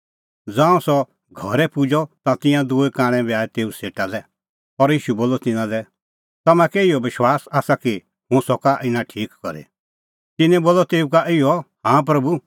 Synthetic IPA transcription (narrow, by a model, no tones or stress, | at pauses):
d͡zãːũsɔ | ɡʱɔɾɛpʊd͡ʒɔt̪ãt̪ɪ̃jãd̪ʊekãːɽ̃ɛ̃baːɛt̪eːuseːʈalɛ | ɔɾjiːʃuboːlɔt̪ɪnãlɛ | t̪ɐmãkɛɪjɔbɪʃwaːsaːsaki | hʊ̃sɔkaʔɪnãʈʰiːkkɔɾḛ | t̪ɪnɛ̃boːlɔt̪eːukaʔɪjɔhãːp̬ɾɐbu